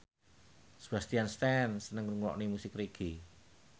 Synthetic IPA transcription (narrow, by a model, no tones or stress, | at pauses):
sb̥ast̪ianst̪ɛnsənəŋruŋwɔ̰ʔnimusɪkriɡ̥i